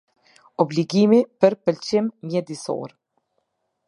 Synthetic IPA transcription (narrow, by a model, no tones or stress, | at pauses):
ɔbliɡimipəɾpəlt͡ʃimmjɛd̪isɔ̰ɾ